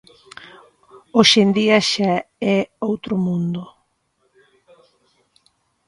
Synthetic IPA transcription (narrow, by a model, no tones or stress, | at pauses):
oʃend̪iaʃaɛowt̪ɾʊmũnd̪ʊ